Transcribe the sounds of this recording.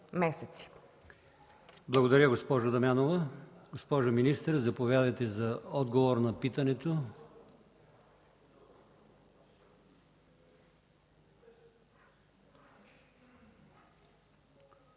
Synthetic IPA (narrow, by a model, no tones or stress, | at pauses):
mɛsɛt̪si̥ | blˠɐɡod̪ɐɾʲəɡospɔʒʊd̪ɐmjanovəɡospɔʒominist̪əɾzɐpovʲjad̪əjt̪ɛzɐɔd̪ɡovoɾnɐpit̪ɐnɛt̪o